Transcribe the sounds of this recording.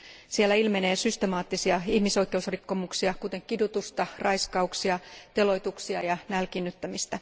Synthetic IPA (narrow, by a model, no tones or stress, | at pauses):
sielːæilmene̞ːsyst̪emɑːt̪ːisiɑihmiso̞ikːˑe̞usrikːo̞muksiɑkut̪e̞ŋkidut̪ust̪ɑrɑiskɑuksiɑt̪e̞lo̞jt̪uksiɑjɑnælkinːyt̪ːæmist̪æ